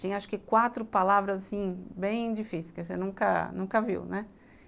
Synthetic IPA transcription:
t͡ʃĩj̃ɐaʃʊ̥kɪkwat̪ɾʊpalavɾɐzasĩbẽj̃d͡ʒifisɪkɪsenũkɐ̰nũkɐvḭwnɛ

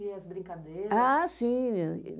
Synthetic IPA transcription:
iɐzbɾĩkad̪ejɾasĩne

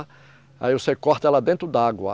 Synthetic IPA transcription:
a̰iʊsekɔɾt̪ɐɛlɐd̪ẽt̪ɾʊd̪ɐaɡwɐ̰

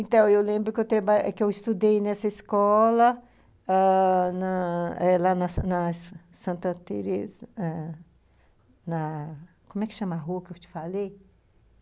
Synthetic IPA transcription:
ẽt̪ɐ̃w̃ewlẽmbɾʊkɪewt̪ɾɐbaɛkɪewist̪ud̪ejnɛsɐiskɔlɐ | anɐɛlanɐsnɐs | sɐ̃nt̪ɐt̪ḛɾezɐɛ | nɐ | kõmʊɛkɪ̥ʃɐ̃maɦuɐkewt͡ʃɪ̥falej

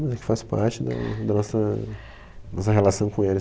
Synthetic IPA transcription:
mɐzɛkɪ̥faspa̰ɾt͡ʃɪd̪ɐ̰d̪ɐnɔsɐ | nɔsɐɦelasɐ̃w̃kõelɪ

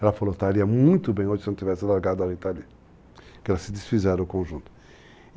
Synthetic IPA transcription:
ɛlɐfalot̪aliɐmũj̃t̪ʊbẽj̃oʒɪseñt̪ivɛsɪalaɾɡad̪ʊaɾit̪ali | kɛlɐsɪd̪isfizɛɾɐʊkõʒũnt̪ʊ̥

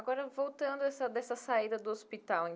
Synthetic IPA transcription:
ɡɔɾɐvowt̪ɐ̃nd̪ʊɛsɐd̪ɛsɐsaid̪ɐd̪ʊospit̪awẽ

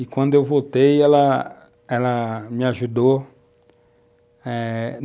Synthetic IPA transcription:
ikʷwɐ̃nd̪ʊewvot̪ejɛlɐ | ɛlɐmiaʒud̪o | ɛ

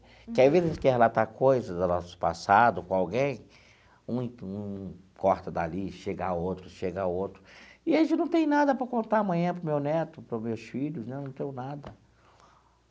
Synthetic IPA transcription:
kɪavezskɪhelat̪akojzɐd̪ʊnɔsʊ̥pa̰sad̪ʊkõawɡẽj̃ | ũũ | kɔɾt̪ɐd̪a̰liʃeɡaowt̪ɾʊʃeɡɐaowt̪ɾʊɪẽd͡ʒɪnɐ̃w̃t̪ẽj̃nad̪ɐpɾɐkõnt̪aɐmɐ̃ɲ̃ɐ̃pɾʊmewnɛt̪ʊpɾʊmewsfiʎʊsnɛnɐ̃w̃t̪ẽj̃ʊ̃nad̪ɐ

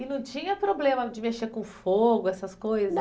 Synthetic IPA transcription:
ɪnɐ̃w̃t͡ʃĩɲɐpɾoblẽmɐd͡ʒɪmeʃt͡ʃeɾkõfoɡʊɛsɐskojzɐ

